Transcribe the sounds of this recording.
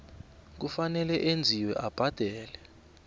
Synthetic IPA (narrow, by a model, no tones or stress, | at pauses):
k̬ufanɛlɛʔend͡zʱiwɛʔab̥ʱad̥ʱɛːlɛ